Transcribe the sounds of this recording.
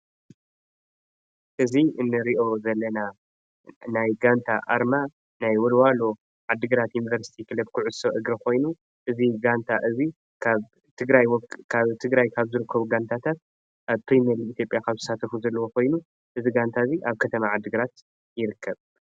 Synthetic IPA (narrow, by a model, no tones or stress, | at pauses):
ʔɨziʔɨnːɨɾiʔo̞zɐlːɐna | najɡant̪ʰa̰ʔa̰ɾma | najwɔlwalo | ʕad̪ːɨɡɨɾat̪junivɐɾsi̥t̪ʰikʰɨlɐbkʰuʕʊsoʔɨɡɾɐkʰo̞jnu | ʔɨziɡant̪ʰaʔɨzi | kʰaβ | t̪ʰɨɡɾajwɔkʰaβt̪ʰɨɡɾajkʰaβzɨɾɨkʰːɐβuɡant̪ʰat̪ʰat̪̚ | ʔaβpʰɾimeɾiit̪ʰjo̞pʼjakʰaβzɨ̥sat̪ʰɐfuzɐlːɐwokʰo̞jnu | ʔɨziɡant̪ʰaziʔaβkʰɐt̪ʰɐmaʕad̪ːɨɡɨɾat̪ | jɪɾɨkʰːɐβ